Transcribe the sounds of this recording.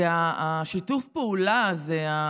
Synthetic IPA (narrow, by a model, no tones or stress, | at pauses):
eaaʃitufpeulazea